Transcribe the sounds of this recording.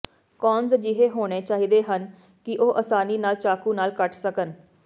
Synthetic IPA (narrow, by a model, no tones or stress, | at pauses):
kɔːnzd͡ʒɪɦeːɦoːɽ̃eːt͡ʃaːɦiːd̪eːɦən | kɪʔoːʔəsaːniːnaːlt͡ʃaːkuːnaːlkəʈsəkən